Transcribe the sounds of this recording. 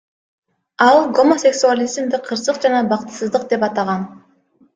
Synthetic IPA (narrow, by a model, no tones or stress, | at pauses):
ɑlˠɡo̞mo̞sʲe̞ksualʲizmd̪ɪqʰːɯɾsɯq̚d͡ʒɑnɑbɑqt̪ɯ̥sɯzd̪ɯqd̪e̞pɑt̪ɑʁɑn